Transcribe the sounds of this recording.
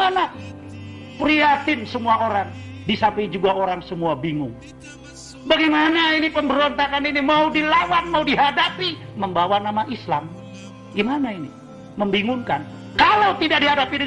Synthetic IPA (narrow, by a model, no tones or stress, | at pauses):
ana | pɾiat̪ɪnsəmuaoɾaŋ | disapəd͡ʒuɡaoɾaŋsəmuabiŋʊŋ | baɡajmanainipəmbəɾont̪akaninimaudilawanmaudiɦadapiməmbawanamaʔislam | ɡimanaini | məmbiŋʊŋkan | kalawt̪idak̚diɦadapidə